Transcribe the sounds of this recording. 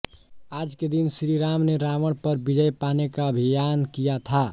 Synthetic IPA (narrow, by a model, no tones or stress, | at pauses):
aːd͡ʒked̪insɾiɾamneɾaməɽpəɾbid͡ʒəjpanekaəbʱijankijat̪ʰa